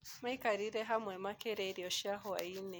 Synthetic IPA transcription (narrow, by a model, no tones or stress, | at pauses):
maikaɾiɾɛɦamwɛmakɛɾɛɾiɔʃiaɦɔa̰inɛ